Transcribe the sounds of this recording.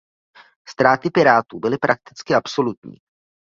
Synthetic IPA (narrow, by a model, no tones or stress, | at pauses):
st̪ɾaːt̪ɪpɪɾaːt̪uːbɪlɪpɾʔak̚t̪ɪ̥t͡skɪʔapso̞lut̪ɲḭː